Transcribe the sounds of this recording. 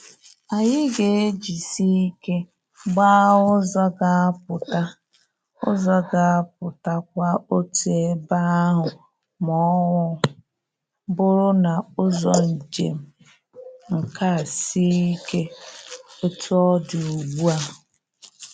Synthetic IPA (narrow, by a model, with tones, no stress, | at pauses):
a˨ɲɪ˦ɡe˨e˦d͡ʒi˨si˦i˦ke˦ | ɡ͡ba˦ʊ˦zɔ˦ɡa˦pʊ˨ta˦ | ʊ̰˦zɔ˦ɡa˨a˦p̚ʊ˨ta˦k̚ʷa˦o˦tu˨e˦ba˦a˦ɦʊ˨ | mɔ˦ŋʷʊ˦ | bʊ˦ɾʊ˦na˨ʊ˦zɔ˦˨n̩˨d͡ʒḛ˨m̩˨ | ŋ̩˨ka˦˨si˦i˦ke˦ | o˦tu˦ɔ˦du˨u˨ɡ͡bu˦a˨ɦʊ˨